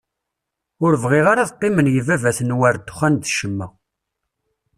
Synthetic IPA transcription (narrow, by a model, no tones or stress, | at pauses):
ʊɾvʁiʁaɾaðqːɪmənjivævæθənwæɾd̪ːʊ̥χænd̪ʃəmːə